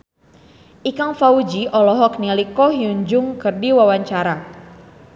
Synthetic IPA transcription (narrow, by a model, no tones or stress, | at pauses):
ʔikaŋfaud͡ʒiʔɔlɔɦɔk̚nilikɔɦiuɲd͡ʒʊŋkɨrdiwawaɲt͡ʃaɾa